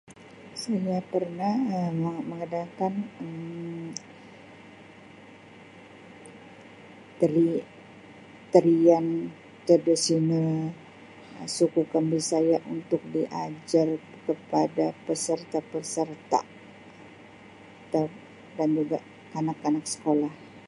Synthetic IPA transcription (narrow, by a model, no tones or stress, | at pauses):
sajapərnahəməŋədakanəm | t̪əɾi | t̪əɾian | kədəsinə | sukukanbisajaʔunt̪ʊk̚diʔad͡ʒar | kəpadapəsərt̪apəsərt̪a̰ | t̪a | dand͡ʒuɡa | anakːanaksə̥kolah